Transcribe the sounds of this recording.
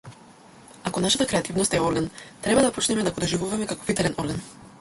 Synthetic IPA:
akonaʃat̪akɾɛat̪ivnɔst̪ɛɔɾɡant̪ɾɛbad̪apot͡ʃnɛmɛd̪akɔd̪ɔʒivuvamɛkako̥fit̪alɛnʔɔɾɡan

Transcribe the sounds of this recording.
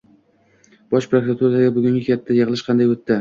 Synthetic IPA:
b̥ɒʃpɾokɾat̪ʰuɾaɡʲabʊɡʲʊŋɡʲɪkʲʰat̪ʰːajɪʁlˠɪʃqʰɑnd̪ajot̪ʰːɪ

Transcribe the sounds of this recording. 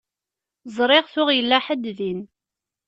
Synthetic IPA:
zˤɾˤɪʁθʊʁjəlːæħəd̪ðin

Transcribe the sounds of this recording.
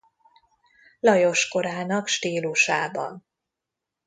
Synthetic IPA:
lɒjo̞ʃko̞ɾaːnɒkʃt̪iːluʃaːbɒ̰n

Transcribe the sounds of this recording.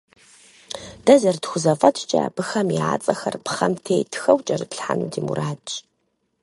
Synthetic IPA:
d̥ɐzɐrtxʷʊzɐfʼɐtʰt͡ʃʼa̰ːb̥ɨxɐmiʕaːt͡sʼɐxɐrpʰχɐmtʰeːjtʰxɐwt͡ʃʼɐrɨtɬħa̰nudimṵɾʔaːt͡ʃʼ

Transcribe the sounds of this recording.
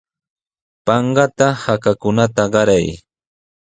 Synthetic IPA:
pɑɴɢɑt̪ahakakʊnat̪aɢɑɾaj

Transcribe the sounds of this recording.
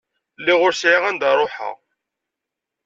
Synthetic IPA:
lːiʁʊɾsʕiʁænd̪ɑɾˤoħa̰

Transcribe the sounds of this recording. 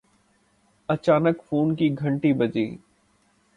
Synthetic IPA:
ɐt͡ʃaːnəkfoːnkiɡʱɐ̃ɳʈibɐd͡ʒḭː

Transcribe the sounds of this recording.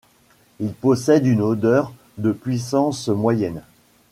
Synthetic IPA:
ilpɔsɛd̪ynod̪œʁ | d̪əpɥisɑ̃smwajɛn

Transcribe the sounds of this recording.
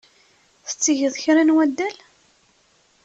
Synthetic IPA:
θə̥t͡sːiʝəðˤçɾænwæd̪ːæl

